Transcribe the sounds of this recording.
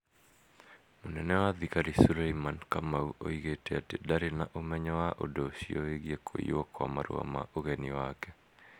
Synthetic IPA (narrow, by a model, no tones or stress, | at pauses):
monɛnɛwaðikaɾisuɾaimankamauʔo̰iɣetɛatedaɾenaʔomɛɲɔwaʔo̰doʃiɔeɣjekʰoḭɔkwa̰maɾṵɔ̰ma̰ʔoɣɛniwakɛ